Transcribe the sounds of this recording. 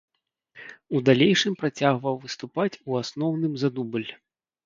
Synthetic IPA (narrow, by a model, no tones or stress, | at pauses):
ud̪alʲejʂɨmpɾat͡sʲaɣvɐwvɨst̪upat͡sʲuasnɔwn̪ɨmzad̪ubɨlʲ